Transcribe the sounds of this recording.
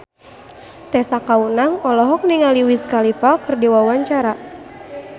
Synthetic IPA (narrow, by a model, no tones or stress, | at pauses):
t̪ɛsakaunaŋɔlɔɦɔk̚niŋaliwiskalifakɨrdiwawaɲt͡ʃaɾa